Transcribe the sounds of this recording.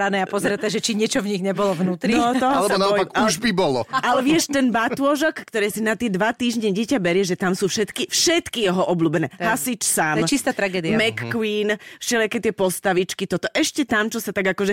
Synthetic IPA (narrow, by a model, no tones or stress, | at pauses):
ɾanɛːapɔzɾɛt̪ːaʒɛt͡ʃiɲɪɛt͡ʃɔvɲiɣɲɛbɔlɔvnuːt̪ɾinɔt̪ɔɦɔlɛbɔnaɔpakuʒbibɔlɔalɛʋɪɛʃt̪ɛnbat̪ʊɔʒɔkːt̪ɔɾɛːsinat̪ɪɛd̪ʋat̪iːʒɲɛɟɪɛcabɛɾɪjɛʒɛt̪amsuːfʃɛt̪kifʃɛt̪kijɛɦɔʔɔbluːbɛnɛːɦasit͡ʃsaːmɛt͡ʃist̪aːt̪ɾaɡɛːd̪iamɛkːwiːnfʃɛʎakɛːt̪ɪɛpɔst̪aʋit͡ʃkit̪ɔt̪ɔʔɛʃcɛt̪amt͡ʃɔsat̪aɡakɔʒɛ